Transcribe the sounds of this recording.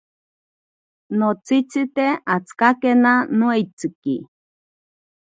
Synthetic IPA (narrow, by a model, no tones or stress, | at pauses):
not͡sit͡sit̪eat͡skakenanoeit͡sɨki